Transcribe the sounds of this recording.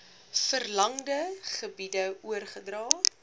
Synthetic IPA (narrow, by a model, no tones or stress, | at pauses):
fərlɐŋdəχəbidəuərχədrɑː